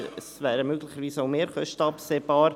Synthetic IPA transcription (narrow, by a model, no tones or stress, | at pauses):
əsvæːɾəmøɡlɪχəɾviːsaʊmeːɾχœʃtəɑpseːb̥ɑːɾ